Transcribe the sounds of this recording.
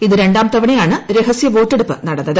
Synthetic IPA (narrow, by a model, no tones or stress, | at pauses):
iðɨɾe̞ɳɖaːmt̪ɐʋɐɳijaːɳɨɾe̞ɦɐsjɐʋo̞ːtːeɽupːɨnɐɽɐnːɐðɨ